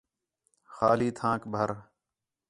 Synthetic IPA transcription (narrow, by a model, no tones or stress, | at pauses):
xaːliːt̪ʰãːkbʱəɾ